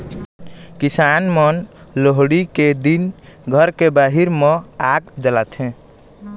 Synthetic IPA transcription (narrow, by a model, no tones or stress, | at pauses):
kisanmənloɦɽiked̪inɡʱəɾkebaɦiɾmeaɡd͡ʒəlat̪ʰẽ